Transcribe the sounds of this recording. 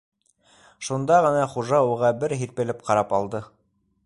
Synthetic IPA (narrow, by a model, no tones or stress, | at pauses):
ʃund̪ɑʁɤ̆nɑχuʒɑuʁɑbɘɾɦiɾpɘ̆lɘp̚qɑɾɑpɑlˠd̪ɤ